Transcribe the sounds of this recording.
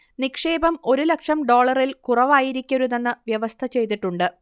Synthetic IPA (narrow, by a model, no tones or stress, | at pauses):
nikʂe̞ːbɐmo̞ɾulɐkʂɐmɖo̞ːɭɐrilkurɐʋaːjiɾikʲːɐɾuðe̞nːɨʋjɐʋɐst̪ʰɐt͡ɕe̞jt̪̬iʈːuɳɖɨ